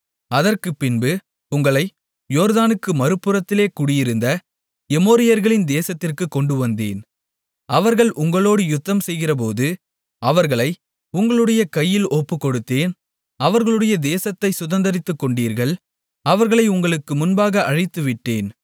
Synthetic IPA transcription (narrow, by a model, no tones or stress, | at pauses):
ɐðɐrkɯpːɪnbɯ | ʊŋɡɐɭɐɪ | joːɾðaːnɯkːɯmɐɾɯpːɯrɐt̪ːɪleːkʊɽɪjɪɾɯnd̪ɐ | ɛmoːɾɪjɐɾɣɐɭɪnd̪eːsɐt̪ːɪrkɯkːɔɳɖɯʋɐnd̪ḛːn | ɐʋɐɾɣɐɭʔʊŋɡɐɭoːɽɯjʊt̪ːɐmsɛjɣɪrɐp̬oːðɯ | ʔɐʋɐɾɣɐɭɐɪ | ʊŋɡɐɭɯɽɐjɐkɐjːɪloːpːɯkːɔɽɯt̪ːeːn | ɐʋɐɾɣɐɭɯɽɐjɐd̪eːsɐt̪ːɐɪsʊðɐnd̪ɐɾɪt̪ːɯkːɔɳɖiːɾɣɐɭ | ɐʋɐɾɣɐɭɐɪʊŋɡɐɭɯkːɯmʊnbaːɣɐʔɐɻɪt̪ːɯʋɪʈːḛːn